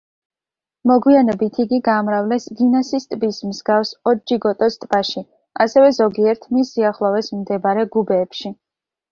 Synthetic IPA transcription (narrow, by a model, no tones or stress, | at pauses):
mɔɡwianɛbit̪ʰiɡiɡaːmɾavlɛsɡinasist̪ʼbismzɡafsɔd͡ʒiɡɔt̪ʼɔst̪ʼb̥aʃi | asɛvɛzɔɡiɛɾt̪ʰmisiaχlˠɔvɛsmd̪ɛbaɾɛɡubɛːpʃi